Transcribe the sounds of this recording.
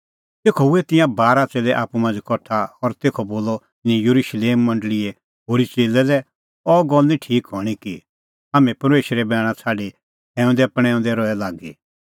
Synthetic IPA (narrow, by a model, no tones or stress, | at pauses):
t̪eːkʰɔʊɛt̪ɪ̃jãbaːɾat͡seːlɛʔaːpumɐ̃nd͡ʒkɔʈʰaɔɾt̪eːkʰɔboːlɔ | nĩjɐɾuʃleːmːɐ̃ɳɖəlɪɛ | ɦoːɾit͡ʃeːlɛlɛ | ɔːɡɔlnĩʈʰiːkɦɔɽ̃iki | aːmɛ̃pɐɾmeːʃɾɛbɛːɽ̃ãt͡sʰaːɖe | ɛ̃ːʊ̃nd̪ɛɐpɽ̃ɛ̃ʊ̃nd̪ɛɾɔɛlaːɡḭ